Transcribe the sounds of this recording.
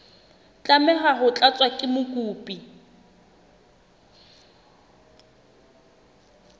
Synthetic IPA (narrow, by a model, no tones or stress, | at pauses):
t͡ɬʼamɛχaɦʊt͡ɬʼat͡sʼwakʼɪmʊkʼuːpʼi